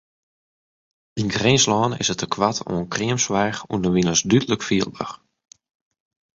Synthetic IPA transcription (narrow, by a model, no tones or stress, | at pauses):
d̥inɡrɪnslɔːnɪ̰sətəkʰʋato̰ənkriəmsʋɛjxundəʋinəsdytələkfiəlˠbə̰x